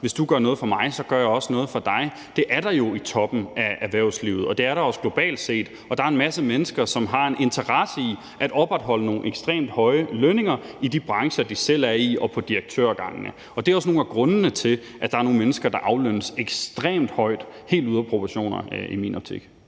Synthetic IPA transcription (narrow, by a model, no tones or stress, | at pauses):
ʋe̝sd̥uɡ̥ɶɐnɔ̽ːð̞̩ˠfɒ̽mɑ̈ɪsɒ̽ɡ̥ɶɐjɑɒ̽snɔ̽ːð̞̩ˠfɒ̽d̥ɑ̈ɪ | d̥e̝ʔæɐɾ̥ɑ̈jo̝it͡sʰɒ̽b̥n̩ææʋæɐʊslḭʊð̞̩ˠɒ̽d̥e̝æɐɾɑ̈ɒ̽sə̥lo̝b̥ɛ̰ːld̥se̝̰ːd̥ | ɒ̽d̥ɑ̈æɐe̝nmæsəmenəsɡ̥ɐsɒ̽mɦɑ̈e̝nʔe̝nt͡sʰɐʁɑsəi | ʔæɾ̥ɒ̽b̥ʁɑd̥ɦɒ̽l̰əno̝ːn̩eɡ̥sd̥ʁḛːmd̥hɒ̽ɪəløne̝ŋɐidib̥ʁɑ̈ŋɕɐd̥isel̰æɐiɒ̽pʰɒ̽d̥iʁeɡ̥̚t͡sʰø̰ɐɡ̥ɑ̈ŋnə | ɒ̽d̥e̝æɒsno̝ːn̩æɡ̥ʁɔ̽nəːət͡sʰe̝l | ʔæd̥ɑ̈æɐnoːn̩menəsɡ̥ɐd̥ɑ̈ʔɑ̈ʊlønəseɡ̥sd̥ʁḛːmd̥hɒ̽ɪ̰d̥he̝̰ːld̥uðˠɐpʰʁo̝pʰɐɕo̝̰ːnɐ̰imḭnɒ̽b̥̚t͡sʰḭɡ̥